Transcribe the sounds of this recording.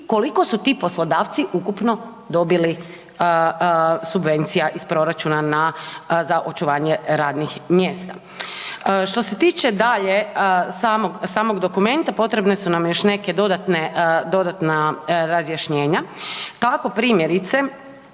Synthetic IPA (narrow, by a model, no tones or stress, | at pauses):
ko̞liko̞sut̪iːpo̞slˠod̪aːʋt̪siʔukupno̞ | d̪o̞bili | subʋe̞nt̪sijaʔispɾo̞ɾat͡ʃunanazaʔo̞t͡ʃuʋaːɲeɾaːd̪nixmjeːst̪a | ʃt̪o̞se̞t̪iːt͡ʃed̪aʎe̞saːmoɡsaːmo̞ɡd̪o̞kume̞nt̪apo̞t̪ɾe̞bne̞sunamjo̞ʃne̞ke̞d̪o̞d̪at̪ned̪o̞d̪at̪naɾazjaʃɲe̞ːɲat̪ako̞pɾiːmjeɾit̪se